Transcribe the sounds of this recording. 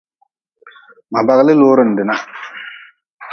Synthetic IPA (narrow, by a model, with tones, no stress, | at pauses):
ma˨ba˨ɣlɪ˦loː˦ɾɪ˦˨n˨dɪ˨na˦